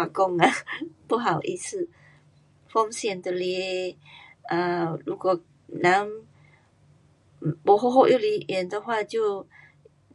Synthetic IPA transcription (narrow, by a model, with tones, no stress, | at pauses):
a˨˩kɔ˥˧ŋa˨˩pu˥˩ɦa˨˩ʊʔḭ˥˧s̩˥˧ | fɔ˥˦ŋsjɛ˥˩˨nd̪ə˨lɛ˧˦ | ə˨˩lu˧˥kwɔ˨˩ | na˨˦ŋ˨ | pɔ˨˦ɦo˥˧ɦo˥˧jʔo˥˨li˧˥jɛ˨˩˦nd̪ə˨xwa˥˧t͡ɕjo˥˧ʊ